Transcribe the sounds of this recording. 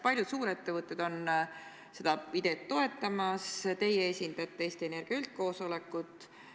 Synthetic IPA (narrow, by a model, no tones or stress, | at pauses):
pɑlʲjud̪suːɾe̞t̪ːe̞vɤt̪ːˑed̪̥o̞n | se̞d̪̥ɑpid̪̥e̞t̪ːo̞e̞t̪ːˑɑmɑst̪e̞jeesʲind̪̥ɑt̪ːˑee̞ːst̪ie̞ne̞rɡ̥iɑylt̪̚ko̞ːso̞le̞kˑːut̪ːˑ